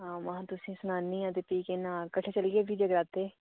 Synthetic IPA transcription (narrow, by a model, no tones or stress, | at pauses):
ɦãːmãt̪ʊsĩːsʊnaːnːĩːãːt̪eːpiːkenãːkəʈʰeːt͡ʃəlːɡeːbʱiːd͡ʒəɡɾaːt̪eː